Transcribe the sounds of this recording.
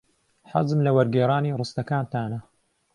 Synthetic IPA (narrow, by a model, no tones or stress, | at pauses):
ħa̰zɨmlɐwɐɾɡeːɾˤaːniːrˤɨst̪ɐkaːnt̪aːnɐ